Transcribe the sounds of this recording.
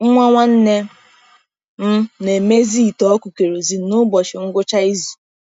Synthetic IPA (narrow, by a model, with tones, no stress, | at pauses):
ŋ̩˦ŋʷa˦ŋʷa˦n̩˦ne˦ | m̩˦ne˨me˦zi˦˨tɔ˨˦kʷu˨ke˨ɾo˨zi˨˦nʊ˦bɔ˨t͡ʃɪ˨ŋ̩˦ɡʷʊ˦t͡ʃa˦i˦zu̥˨